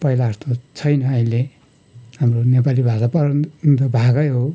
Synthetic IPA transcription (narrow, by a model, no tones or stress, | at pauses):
pʌilaʌst̪ot͡sʰʌjnʌːĩle | hamronep̬alibʱasapʌɾd̪ʌbʱaɡʌjɦo